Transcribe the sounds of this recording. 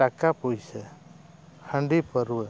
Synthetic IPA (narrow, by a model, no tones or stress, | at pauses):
akapujsɛ | hʰəɳɖipəɾuə